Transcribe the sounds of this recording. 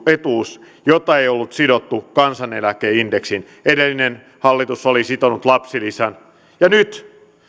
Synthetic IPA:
et̪uːs | jot̪ːɑeiolːut̪sidot̪ːukɑnsɑnelækeːindeksin | edelːinen | hɑlːit̪usolisit̪onut̪lɑpsilisæn | jɑnyt̪

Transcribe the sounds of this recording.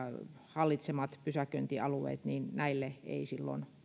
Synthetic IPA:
hɑlːit̪semɑt̪pysækønt̪iɑluḛːt̪niːnnæilːeḛisilːo̰n

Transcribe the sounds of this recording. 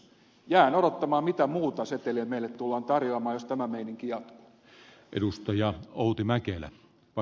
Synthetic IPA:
jæːnoɾot̪ːɑmɑːmit̪æmuːt̪ɑset̪elemeilet̪t̪ulːɑːnt̪ɑrjoɑmɑːjost̪æmæmeiniŋkijɑt̪ku̥ | ʔḛdust̪ɑjɑoˑut̪imækelæ̰ | pɑ

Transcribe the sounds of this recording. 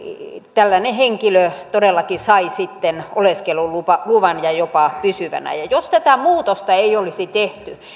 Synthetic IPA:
t̪ælːæneheŋkiløt̪odelːɑkisɑisit̪ːenʔoleskelulupɑluʋɑnjɑjopɑpysyʋæ̰næ̰jɑjost̪æt̪æmuːt̪ost̪ɑeiolisit̪eht̪y

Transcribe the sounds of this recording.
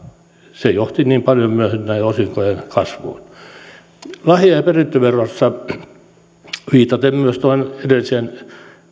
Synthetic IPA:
sejoht̪iniːmpɑljomyøhynnæiosiŋkojenkɑsʋo̰ːn | lɑhjɑjɑperint̪ːøʋerɑsːɑ | ʋiːt̪ɑt̪emmyøst̪oinedelːisen

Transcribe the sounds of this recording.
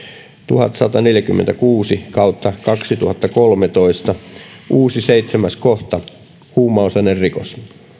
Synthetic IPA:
t̪uhɑ̰t̪sɑt̪ɑneljækymːent̪ækuːsikɑut̪ːɑkɑksit̪uhɑt̪ːɑkolmet̪oist̪ɑʔuːsiseit̪semæskoht̪ɑ | huːmːˑɑosɑnerrikos

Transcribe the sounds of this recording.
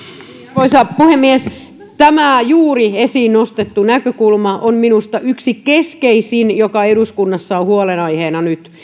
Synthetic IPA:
oisɑːppuhemːies | t̪æmæˑjuːriesiːnnost̪et̪ːunækøkulmɑʔomminust̪ɑʔyksikeskeisinjokɑeɾuskunːɑsːɑohuolenɑiheːnɑnyt̪

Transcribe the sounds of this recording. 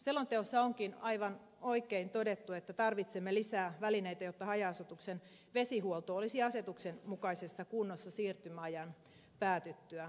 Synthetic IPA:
selːont̪eosːɑoŋkinɑiʋɑn | oikeint̪o̞det̪ːuet̪ːæt̪ɑrʋit̪semːelisæːʋælineit̪æjot̪ːɑhɑjɑːset̪uksen | ʋe̞siɦuolt̪oolisiɑse̞t̪uksenmukɑisesːɑkunːosːɑsiːrt̪ymæɑjɑn | pæːt̪yt̪ːyæ

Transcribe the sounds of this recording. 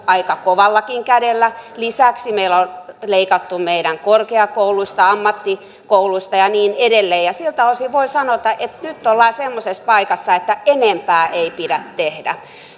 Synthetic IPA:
ɑikɑkoʋɑlːɑkiŋkædelːælisæksimeilolleikɑt̪ːumeiɾæŋkorkeɑkouluist̪ɑɑmːɑt̪ːi | kouluist̪ɑjɑniːnedelːeːjɑsilt̪ɑoˑsiʋʋoisɑnot̪ɑʔet̪nyt̪ːolːɑisemːosespɑikɑsːɑet̪ːæenempæːʔeipidæt̪t̪ehdæ̰

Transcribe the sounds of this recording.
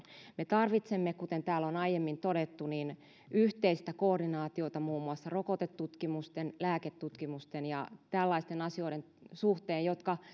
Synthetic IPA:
met̪ɑrʋit̪semːekut̪ent̪æːlonɑijemːint̪oɾet̪ːuniːn | yht̪eist̪ækoːrdinɑːt̪io̞t̪ɑmuːmːuɑsːɑrokot̪et̪ːut̪kimust̪enlæːket̪ːut̪kimust̪enjɑ̰t̪ælːɑist̪enɑsio̞iden | suht̪eːjjot̪kɑ

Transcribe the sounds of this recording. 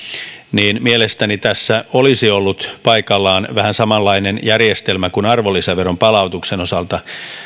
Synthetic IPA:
niːnmielest̪ænit̪æsːæolisiolːut̪pɑikɑlːɑːnʋæhænsɑmɑlːɑinenjærjest̪elmækunɑrʋolːiseʋerompɑlɑut̪ukseno̞sɑlt̪ɑ

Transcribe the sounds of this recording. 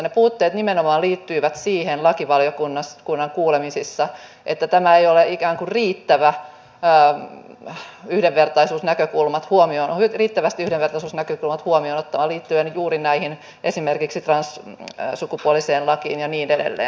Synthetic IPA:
nepuːt̪ːeːt̪nimenomɑːliːt̪ːyiʋæt̪siːhenlɑkiʋɑljokunːɑskunːɑŋkuːlemisisːɑ | ʔet̪ːæt̪æmæejoleʔikæːŋkurriːt̪ːæʋæː | yhdeʋʋert̪ɑisuːsnækøkulmɑt̪huomionyriːt̪ːæʋæst̪iyhdeʋert̪ɑisuːsnækøkulmɑt̪huomionot̪ːɑʋɑliːt̪ːyenjuːɾinæihin | ʔesimerkiksit̪rɑnssukupuoliseːnlɑkiːnjɑniːnedḛlːḛː

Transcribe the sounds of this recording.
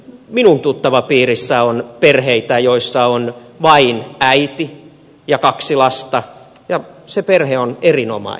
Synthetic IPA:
minunt̪ut̪ːɑʋɑpiːrisːæonperheit̪æjoisːɑonʋɑinæit̪i | jɑkɑksilɑst̪ɑ | jɑseperheonerinomɑ̰i

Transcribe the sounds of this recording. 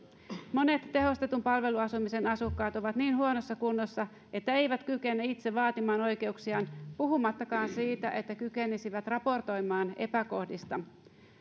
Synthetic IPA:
mo̞ne̞t̪ːe̞ɦo̞st̪e̞t̪umpɑlʋe̞luɑsumise̞nɑsukːɑːt̪o̞ʋɑt̪niːnhuo̞no̞sːɑkunːosːɑ | e̞t̪ːæe̞jʋæt̪kyke̞nːæit̪se̞ʋɑːt̪imɑːno̞jke̞uksiɑːnpuɦumɑt̪ːɑkɑːnsiːt̪æʔe̞t̪ːækyke̞nisiʋæt̪rɑpo̞rt̪o̞jmɑːne̞pæko̞hdist̪ɑ

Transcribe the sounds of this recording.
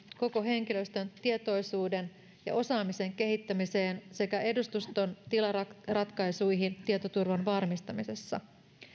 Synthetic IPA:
ko̞ko̞ɦe̞ŋk̟ilø̞st̪ø̞nt̪iet̪o̞jsuːde̞n | jɑ̰ʔo̞sɑːmiseŋk̟e̞ɦit̪ːæmise̞ːnse̞kæe̞dust̪ust̪o̞nt̪ilɑrɑt̪kɑjsujɦint̪iet̪ot̪urʋɑnʋɑrmist̪ɑmise̞sːɑ̰

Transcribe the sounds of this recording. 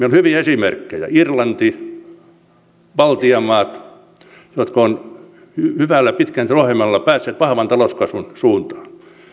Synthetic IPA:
melohyʋiæesimerkːejɑ̰irlɑnt̪i | ʋɑlt̪iɑmɑːt̪ | jot̪kon | hhyʋælːæpit̪kænt̪roɑhemɑlːɑpæːsːeːt̪ʋɑhʋɑnt̪ɑloskɑsunsuːnt̪ɑ̥ː

